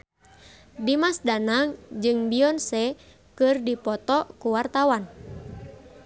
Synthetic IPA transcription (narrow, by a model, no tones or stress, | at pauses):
dimasdanaŋd͡ʒɨŋbiɔnsɛ | kɨrdipɔt̪ɔkuwart̪awan